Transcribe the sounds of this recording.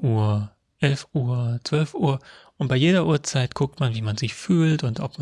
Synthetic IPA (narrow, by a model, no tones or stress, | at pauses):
ʔuːɐ | ʔɛlfʔuːɐt͡sv̥œlfʔuːɐʔʊnt̚b̥aɪjeːdɐʔuːɐt͡saɪtkʰʊk̚tmanviːmanzɪçfyːltʊntʔɔp̚